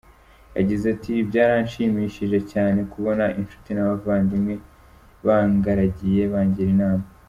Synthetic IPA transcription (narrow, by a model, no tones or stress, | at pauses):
ja̰ɟizatʰibɟaːɾanʃiːmiʃiʒe̞caːne̞kuβo̞naʔinʃu̥tinaβavaːndimŋe̞ | βaŋɡaɾaɟije̞βaːɲɟiɾinaːma